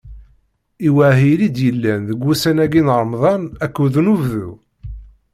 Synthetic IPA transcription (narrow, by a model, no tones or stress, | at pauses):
iwæʕɦilid̪jəlːænðəɡːusænæɡinɾˤmðˤɑnækːuðnuvðu